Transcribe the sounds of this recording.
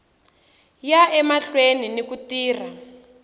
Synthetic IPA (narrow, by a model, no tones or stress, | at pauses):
jaʔɛmaɬweninikutiːra